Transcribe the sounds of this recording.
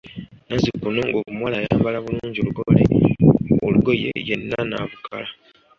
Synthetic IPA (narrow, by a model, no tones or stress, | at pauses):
nazikunoŋɡokumwaːlajaːmbalaβuluːɲɟioluɡole | oluɡo̞jḛjenːana̰vukʰala